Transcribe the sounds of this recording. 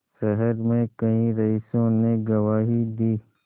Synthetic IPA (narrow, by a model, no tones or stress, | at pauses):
ʃɐɦəɾmẽkɐĩɾɐiːsõneɡɐʋaːɦid̪iː